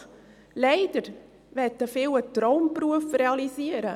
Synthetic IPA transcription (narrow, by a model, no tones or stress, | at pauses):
leɪd̥əɾ | ʋɛtːəfɪwətɾɔʊmpɾuəfreɑlisiːəɾə